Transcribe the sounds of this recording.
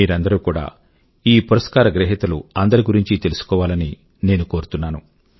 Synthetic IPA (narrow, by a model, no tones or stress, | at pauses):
iːɾɐnd̪ɐɾuːkuːɽa̰ː | iːpuɾɐskaːɾɐɡɾɛɦit̪ɐlṵɐnd̪ɐɾiɡuɾiɲt͡ʃit̪elusu̥kɔːʋaːlɐni | ne̞ːnuko̞ːɾut̪unːaːnu